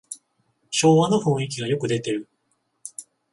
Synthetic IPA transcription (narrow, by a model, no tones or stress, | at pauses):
ɕo̞ːβano̞ɸõɰ̃ik̬ʲiɡajo̞kɯ̟d̪e̞t̪e̞ɾɯ̟